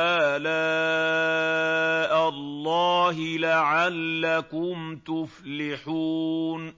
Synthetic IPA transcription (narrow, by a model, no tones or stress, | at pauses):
aːlaː | ʔalˤːɑːɦɪlaʕalːakʊmt̪ʊflɪħuːn